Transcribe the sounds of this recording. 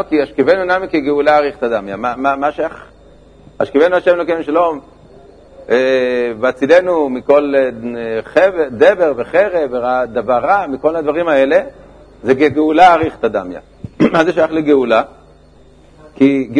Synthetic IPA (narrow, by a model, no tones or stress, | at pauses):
okiaʃkivenunamikiɡeulaːʁiχt̪ad̪amjamamamaʃajaχ | aʃkivenuaʃemlokemiʃalo̞m | eveat͡sidenumiko̞l | χeved̪eveʁveχeʁeveʁad̪avaʁamiko̞lad̪vaʁimae̞le | zeɡeɡeulaːʁiχt̪ad̪amja̰ | mazeʃajaχleɡeula | kiɡ